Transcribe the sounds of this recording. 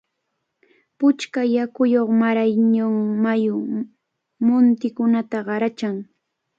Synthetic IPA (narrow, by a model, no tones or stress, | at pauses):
pʊt͡ʃkajakʊjoχmaɾajɲoŋmajʊ | mʊnt̪ɪkʊnat̪aɢɑɾat͡ʃaŋ